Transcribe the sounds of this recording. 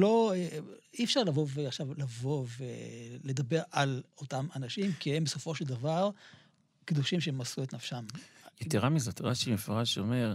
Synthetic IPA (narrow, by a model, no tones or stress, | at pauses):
lo̞eifʃaʁlavovaχʃavlavo̞vele̞d̪abe̞ʁalotamanaʃimkihembeso̞fo̞ʃeld̪avaʁ | kid̪uʃimʃeemasuet̪nafʃamjett̪iʁamizat̪ʁaʃimefʁaʃome̞ʁ